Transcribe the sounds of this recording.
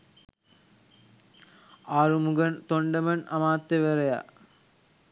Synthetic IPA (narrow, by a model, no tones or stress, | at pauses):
aːɾumuɡɐnt̪oɳɖɐmɐnʔɐmaːt̪ːeʋɐɾɐja̰